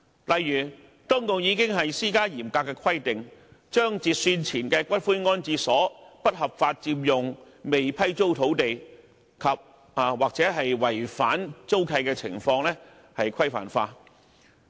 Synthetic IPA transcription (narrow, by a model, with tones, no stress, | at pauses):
lɐ˨jːyː˨˩ | t̪ʊː˥ŋkʊ˨˧ŋjiː˨˧kɪ˥ŋɦɐ˨jsiː˥kaː˥jiː˨˩mkaː˧kːɛː˧kʰɐ˥jt̪ɪ˨ŋt͡ʃœː˥ŋt͡siː˧t̚syː˧nt͡sʰiː˨˩nkɛː˧kʷɐ˥t̚fuː˥jŋɔː˥nt͡siː˧sɔː˨˥pɐ˥t̚hɐ˨p̚faː˧t̚t͡siː˧mjʊ˨ŋ | me˨jpʰɐ˥jt͡so˥wt̪ʰo˨˥wt̪e˨j | kʰɐ˨p̚ | a˨waː˨k̚t͡sɛː˨˥ɦɐ˨jwɐ˨˩jfaː˨˥nt͡so˥wkʰɐ˧jkɛː˧t͡sʰɪ̰˨˩ŋfɔː˧ŋlɛː˥ | hɐ˨jkʰɐ˥jfa̰ː˨˩nfaː˧